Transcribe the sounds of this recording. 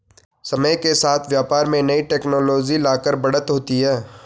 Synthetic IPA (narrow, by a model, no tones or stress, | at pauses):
sɐməjkesaːt̪ʰʋjaːpaːɾmẽnɐiʈeːknɔːlɔːd͡ʒilaːkəɾbɐɽət̪ɦoːt̪iɦɛː